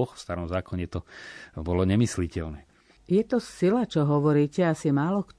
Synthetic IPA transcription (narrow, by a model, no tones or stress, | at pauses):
ɔxfst̪aɾɔmzaːkɔɲɛt̪ɔbɔlɔɲɛmislicɛlnɛː | jɛt̪ɔsilat͡ʃɔɦɔʋɔɾiːcɛasimaːlɔkt